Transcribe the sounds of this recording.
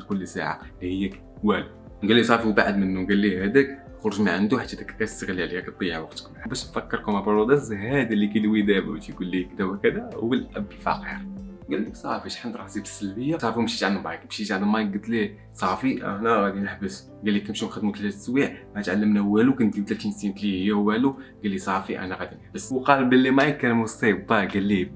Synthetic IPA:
lkʊlːsa̰ʕa̰lihəjːæk | wæl | nɡælːisˤɑfiwbaʕəd̪mənːuɡælːihæd̪æk | xʊɾˤʊʒmaʕənd̪uħat̪ːhæd̪ækːk̪æst̪ːəɣlæʕliæk̚t̪ˤːijawɑqt̪ə̥kmbæʃfækːəɾˤkumæbɾˤod̪æsɦæd̪ilːikilwid̪æbæ̰wt̪ikulːikd̪æbækəd̪æwəlʔæbːəlfɑ̰qḭɾ | ɡælːəksˤɑ̰fiʃħənt̪ɾˤɑħzibəsːəlbəjːasˤɑfimʃit̪ʕanmʕajkmʃiʃʕand̪majk̚ɡət̪li | sˤɑfiʔæ̰hnæɣæd̪inəħbəs | ɡælːikəmʃinxəd̪mut̪hæt̪swiʕmæt̪ʕalːəmnæwːælukənt̪ibt̪læt̪insint̪lihəjːæhwæluɡælːisˤɑfiʔæ̰næɣæd̪inəħbəswqɑlbəlːimæjkːænmusˤebb̪æɡælːi

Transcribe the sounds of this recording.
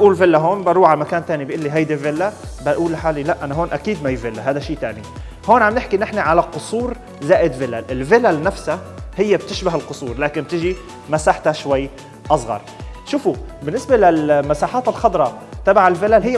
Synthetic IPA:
ʔuːlvɪlːaɦoːnbɑɾˤuːʕalmakaːnt̪aːnibʔɪlːiɦajd̪ivɪlːabaʔuːlħaːlilaʔʔanaɦoːnʔakiːd̪majvɪlːaɦaːd̪aʃiːt̪aːni | hoːnʕamnɪħkinɪħnaʕalaqʊsˤuːɾ | zaːʔɪd̪vɪlːaʔɪlvɪlalnafsahɪjːab̚t̪ɪʃbaɦɪlqʊsˤuːɾˤlaːkɪnb̚t̪ɪʒi | masaːħt̪aʃwajː | ʔɑsˤɣɑ̰ɾˤʃuːfubɪnːɪsbalalmasaːħaːt̪ɪlxɑd̪ˤɾˤɑ | t̪abaʕɪlvɪlalɦɪjː

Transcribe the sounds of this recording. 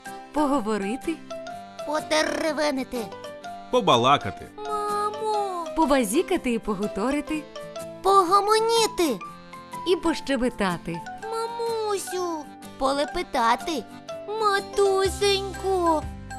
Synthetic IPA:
pɔɦɔʋɔɾɪt̪ɪpɔt̪ɛreʋɛnɪt̪ɪpɔbɐlˠɑkɐt̪ɪ̰mamupɔbɐzʲikɐt̪ɪipɔɦɔt̪ɔɾɪt̪ɪpɔɦɔmɔnʲit̪ɪ | ipɔʃt͡ʃebɪt̪ɑt̪ɪmɐmusʲu | pɔlˠepɪt̪ɑt̪ɪ | mɐt̪usʲenʲkʊ

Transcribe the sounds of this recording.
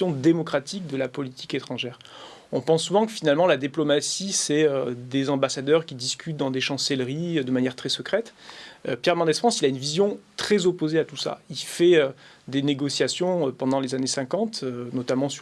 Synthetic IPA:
ɔ̃d̪emɔkχat̪ik̚d̪əlapɔlit̪ʰiket̪χɑ̃ʒɛːʁ | ɔ̃pɑ̃sːuvɑ̃kəfinalmɑ̃lad̪iplɔmasisɛød̪ezɑ̃basad̪œʁkʲid̪iskʲyt̪̚d̪ɑ̃d̪eʃɑ̃sɛlʁid̪əmanjɛʁt̪χɛsəkχɛt̪øpjɛʁmɑ̃d̪ɛsfχɑ̃silaynvizjɔ̃t̪χɛzɔpozeat̪usa̰ilfɛø | d̪eneɡɔsjasjɔ̃øpɑ̃d̪ɑ̃lezanesɛ̃kɑ̃t̪ønɔt̪amɑ̃s

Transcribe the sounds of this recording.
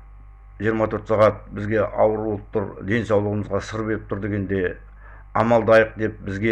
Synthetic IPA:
ʒijəɾmɑt̪ʰɵɾt̪sɑʁɑt̪̚bɪzɡʲe̞ʔɑwəɾolˠp̚t̪ʰʊɾd̪e̞nsɑwlˠəʁəməzʁɑsəɾbe̞ɾɪp̚t̪ʰʊɾd̪e̞ɡʲe̞nd̪e̞ | ɑmɑlˠd̪əɑjəq̚d̪e̞p̚bɪzɡʲe

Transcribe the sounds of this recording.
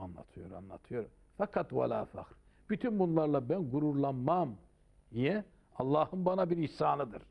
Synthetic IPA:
anlˠa̰t̪ʰɯjo̞ɾa̰nlˠa̰t̪ʰɯjo̞ɾum | fɑkʰɑt̪wa̰lʲa̰ːfa̰kɾ | b̥yt̪ʰynbunlˠaɾlˠabænɡuɾuɾlˠanmam | ijɛ | ɑlˠːɑːhɯmbɑnabiɾisaːnˠɯd̪ɯɾ

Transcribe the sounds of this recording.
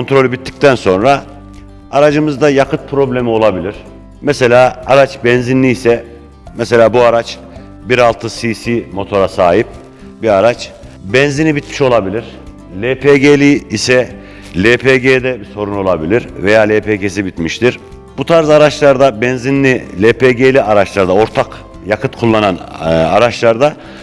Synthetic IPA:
kʰont̪ɾo̞lʲybit̪ʰːi̥c̚t̪ʰænso̞nɾa | aɾad͡ʒɯmɯzd̪ajakɯt̪̚pʰɾo̞blʲe̞mio̞lˠabilʲiɾ̥ | mɛse̞lʲaːaɾat͡ʃbɛnzinʲiːsɛ | mɛse̞lʲaːbuaɾat͡ʃ | biɾalˠt̪ʰɯsisimo̞t̪ʰo̞ɾasaːɦip̚ | biaɾat͡ʃ | bɛnzinibit̪miʃo̞lˠabilʲiɾ̥ | lʲepʰeɟelʲiːsɛ | lʲepʰeɟed̪ɛbiso̞ɾuno̞lˠabilʲiɾve̞jaːlʲeːpʰecesibit̪miʃt̪ʰiɾ̥ | b̥ut̪ʰaɾzaɾat͡ʃlˠaɾd̪abɛnzinlʲilʲepʰeɟelʲiʔaɾat͡ʃlˠaɾd̪ao̞ɾt̪ʰak | jakʰɯt̪kʰulˠːanana̰ɾat͡ʃlˠaɾd̪a

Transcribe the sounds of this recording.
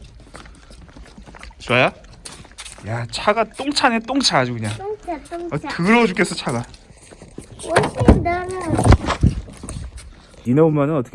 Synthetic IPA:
t͡ɕoaja | jat͡ɕʰaɡat͈oŋt͡ɕʰanet͈oŋt͡ɕʰaad͡ʑikɯɲa | ʌtɯɾʌd͡ʑuk͈es͈ʌt͡ɕʰaɡa | inʌumanɯnʌt͈ʌ̥k

